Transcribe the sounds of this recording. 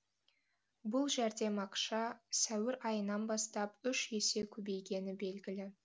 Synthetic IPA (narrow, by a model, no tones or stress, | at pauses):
bʊlˠʒæɾd̪e̞mɑqʃɑsæwɪɾɑjənɑnbɑst̪ɑpʏʃje̞se̞kʲʰɵbe̞jɡʲe̞nɪbe̞lɡʲɪlɪ